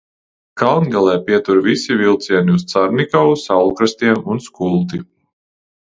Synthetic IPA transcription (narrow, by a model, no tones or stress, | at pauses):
kalˠnʲɡalˠɛːpiɛt̪uɾvisivilˠt̪siɛniust̪saɾnikɔwusawlˠkɾast̪iɛmunskulˠt̪i